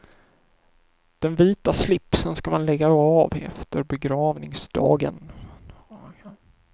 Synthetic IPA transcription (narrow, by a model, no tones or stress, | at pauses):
d̪̥ɛnviːt̪aslɪpsənskamanlɛɡːaɑvɛ̰ft̪əɾbɛɡɾɑːvnɪŋsd̪̥ɑ̰ːɡən